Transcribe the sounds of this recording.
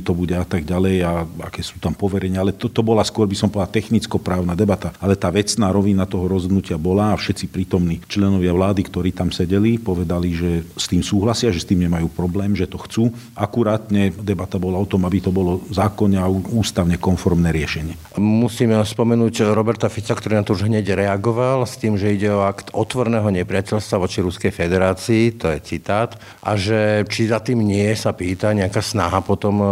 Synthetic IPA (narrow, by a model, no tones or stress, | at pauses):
t̪ɔbuɟɛat̪aɡɟalɛjaa̰kɛːsuːt̪ampɔʋɛɾɛɲɪaalɛt̪ɔt̪ɔbɔlaskʊɔɾbisɔmpɔlat̪ɛxnit͡skɔpɾaːʊnad̪ɛbat̪aalɛt̪aːʋɛt͡snaːɾɔʋinat̪ɔɦɔɾɔzɦɔd̪nucɪabɔlaːfʃɛt͡sipɾiːt̪ɔmniːt͡ʃlɛnɔʋɪaʋlaːd̪ikt̪ɔɾiːt̪amsɛɟɛlipɔʋɛd̪aliʒɛst̪iːmsuːɦlasɪaʒɛst̪iːmɲɛmajuːpɾɔblɛːmʒɛt̪ɔxt͡suː | akuɾaːt̪ɲɛd̪ɛbat̪abɔlaɔt̪ɔmabit̪ɔbɔlɔzaːkɔɲɛauuːst̪aʊɲɛkɔnfɔɾmnɛːɾɪɛʃɛɲɪɛ | musiːmspɔmɛnuːɟɾɔbɛɾt̪afit͡sakt̪ɔɾinat̪ɔuʒɦɲɛɟɾɛaɡɔʋalst̪iːmʒɛiɟɛɔakt̪ɔt̪ʋɔɾnɛːɦɔɲɛpɾɪacɛʎst̪ʋaʋɔt͡ʃiɾuskɛjfɛd̪ɛɾaːt͡siːt̪ɔjɛt͡sit̪aːt̪ | ʔa̰ʒɛt͡ʃizat̪iːmɲɪɛsapiːt̪aɲɛakaːsnaɦapɔt̪ɔm